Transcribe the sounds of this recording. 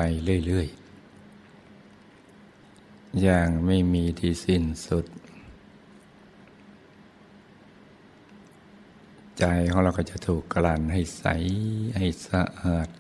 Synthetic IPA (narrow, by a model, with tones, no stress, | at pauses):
a˧jlɯ˧˩ə˨jlɯ˧˩əj | jaː˧˩ŋma˥˩jmiː˧t̪ʰiː˧˩se˧˩nsu˧˩t̪̚ | t͡ɕa˧jkʰa˧ŋ˧la˧˩ka˧˩˧t͡ɕa˧˩t̪ʰuː˨˩kːlaː˧˩nɦa˧˩jsa̰˨˦jha˧˩jsa˧ʔaː˨˩t̪̚